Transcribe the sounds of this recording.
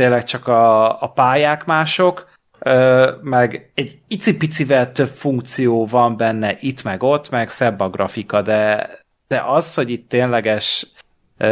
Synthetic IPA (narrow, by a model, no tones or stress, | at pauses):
t̪eːlɛk̚t͡ʃɒkɒːpaːjaːkmaːʃo̞k | øːmɛɡɛɟit̪sipit̪sivɛlt̪ø̞pfuŋk̚t̪sijoːvɒmbɛnːɛʔit̪mɛɡo̞t̪ːmɛksɛbːɒɡrʔɒfikɒd̪ɛ | d̪̥ɛʔɒsho̞ɟit̪ːeːnlɛɡɛʃ